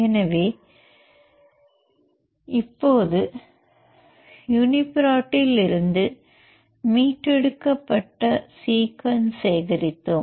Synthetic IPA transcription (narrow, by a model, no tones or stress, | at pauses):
ɛnɐʋeː | ɪpːoːðɯ | jʊnɪpɪɾaːʈːɪlɪɾɯnd̪ɯ | miːʈɾɛɽɯkːɐpːɐʈːɐsiːkʋɐnseːɣɐɾɪt̪ːɯm